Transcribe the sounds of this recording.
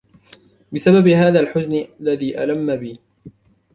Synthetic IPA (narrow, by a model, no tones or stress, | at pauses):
bɪsababɪhaːðaːlħʊznɪʔalːaðiːʔa̰lamːabiː